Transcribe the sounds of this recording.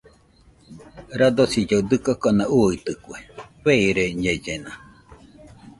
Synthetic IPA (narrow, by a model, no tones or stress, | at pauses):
ɾad̪osid͡ʒod̪ɨkokonãʔuit̪ɯkʷeβeiɾeɲed͡ʒena